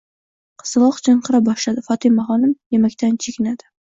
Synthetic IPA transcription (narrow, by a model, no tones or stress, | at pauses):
qʰɨ̥slˠɒqd͡ʒaɴqʰɨɾabɒʃlad̪ɪfɒt̪ʰɪjmaχɒnɪmjemakʲt̪ʰant͡ʃʰekʲɪnad̪̥ɪ